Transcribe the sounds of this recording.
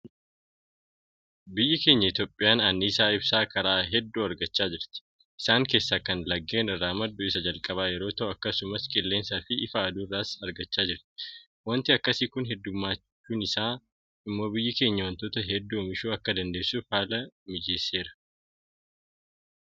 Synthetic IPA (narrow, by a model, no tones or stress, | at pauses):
bɪjːɐke̞ːɲːɐɪt̪jo̞ːpʼːɪjaːnɐnːiːsaːɪbsaːkɐɾaːɦɛd̪ːuːɐɾɡɐt͡ʃːaːd͡ʒɪɾt̪ɪ̥ | ʔɪsaːŋke̞ːsːaːkɐnlɐɡːe̞ːnɪrːaːmɐd̪ːʊɪsɐd͡ʒɐlkʼɐβaːjɛɾo̞ːt̪ɐʔʊɐkːɐsʊmɐskʼɪlːe̞ːnsaːfɪʔɪfɐːd̪uːɪrːaːsɐɾɡɐt͡ʃːaːd͡ʒɪɾt̪ɪ̥ | wɐnt̪ɪɐkːɐsiːkʊnɦɛd̪ːʊmːaːt͡ʃt͡ʃːuːnɪsaː | ɪmːo̞ːbɪjːɐke̞ːɲːɐwɐnt̪o̞ːt̪ɐɦɛd̪ːuːmɪʃuːɐkːɐd̪ɐnd̪e̞ːsːufaːlɐmɪd͡ʒeːsːe̞ːɾɐ̥